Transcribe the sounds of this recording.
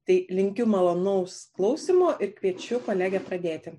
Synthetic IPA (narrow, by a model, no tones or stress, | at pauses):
t̪ɐɪlʲɪŋʲkʲʊmɐlˠoːnɐʊsklˠɐʊsʲiːmoːʔɪɾkʋʲiɛt͡ʃʲʊkoːlʲæːɡʲɛːpɾɐd̪ʲeːt̪ʲɪ